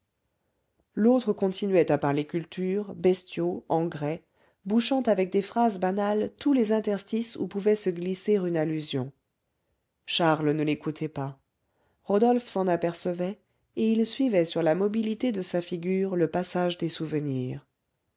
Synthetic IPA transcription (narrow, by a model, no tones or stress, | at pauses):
lot̪χəkɔ̃t̪ʰinɥɛt̪apaʁlekʲylt̪ʰyʁbɛst̪joɑ̃ɡʁɛ | buʃɑ̃t̪avɛk̚d̪efχazbanalt̪ulezɛ̃t̪ɛʁst̪isṵpuvɛsəɡliseʁynalyzjɔ̰̃ | ʃaʁlnəlekut̪ʰɛpa | ʁɔd̪ɔlfsɑ̃napɛʁsəvɛ | eilsɥivɛsyʁlamɔbilit̪ed̪əsafiɡʲyːʁləpasaʒd̪esuvəniːʁ